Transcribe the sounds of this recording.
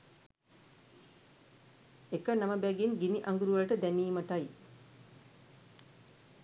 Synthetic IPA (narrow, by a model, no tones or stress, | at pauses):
ekənaməbɛɡinɡiniʔaŋɡuɾuʋələʈəd̪ɛniːmɐʈɐj